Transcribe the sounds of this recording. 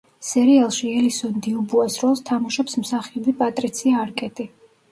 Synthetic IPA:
sɛɾialˠʃiɛlisɔnd̪iubuasɾɔlˠst̪ʰamuʃɔpsmsaχiɔbipʼat̪ʼɾit̪sʰiaːɾkʼɛt̪ʼi

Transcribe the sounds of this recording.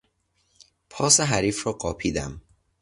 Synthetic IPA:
pʰɒːseɦæɾiːfrɒːɢɒːpʰiːd̪æ̰m

